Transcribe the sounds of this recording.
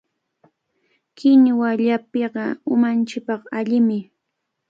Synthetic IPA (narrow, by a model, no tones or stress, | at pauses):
kɪɲwaʎapeɢɑʊmant͡ʃɪk̚pɑqaʎɪmɪ